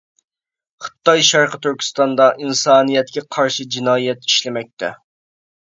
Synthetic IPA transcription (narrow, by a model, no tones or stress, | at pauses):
χə̥t̪ːɑjʃɑɾqət̪ʰyɾkʲʰi̥st̪ɑnd̪ɑʔinsɑːnijɛt̪kʲɛqʰɑɾʃid͡ʒinɑːjɛt̪iʃlɪmɛk̚ʲt̪ʰɛ